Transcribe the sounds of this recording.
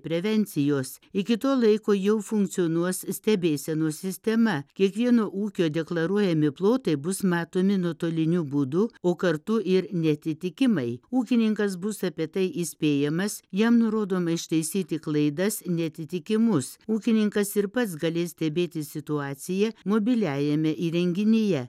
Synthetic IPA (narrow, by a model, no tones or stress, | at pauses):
pʲɾʲɛʋʲɛnʲt̪sʲɪjoːsɪkʲɪt̪oːlˠɐɪkoːjɛʊfʊŋkt̪sʲɪoːnuɔssʲt̪ʲɛbʲeːsʲɛnoːsʲɪsʲt̪ʲɛmɐkʲiɛkʋʲiɛnoːʔuːkʲoːd̪ʲɛklˠɐɾuɔjɛmʲɪplˠoːt̪ɐɪbʊsmɑːt̪oːmʲɪnuɔt̪oːlʲɪnʲuːbud̪ʊoːkɐɾt̪ʊʔɪɾnʲɛɐt̪ʲɪt̪ʲɪkʲɪmɐɪuːkʲɪnʲɪŋkɐsbʊsɑpʲiɛt̪ɐɪʔisʲpʲeːjɛmɐsjɛmnʊɾoːd̪oːmɐɪʃt̪ɐɪsʲiːt̪ʲɪklˠɐɪd̪ɐsnʲɛɐt̪ʲɪt̪ʲɪkʲɪmʊsuːkʲɪnʲɪŋkɐsɪɾpɐt̪sɡɐlʲeːsʲt̪ʲɛbʲeːt̪ʲɪsʲɪt̪ʊɑːt̪sʲɪjɛmoːbʲɪlʲæːjɛmʲɛʔiːɾʲɛŋʲɡʲɪnʲɪjɛ